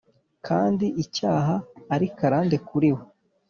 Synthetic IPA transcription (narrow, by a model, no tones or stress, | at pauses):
kʰaːndiʔicaːɦaːɾikaɾaːnde̞kuɾiwo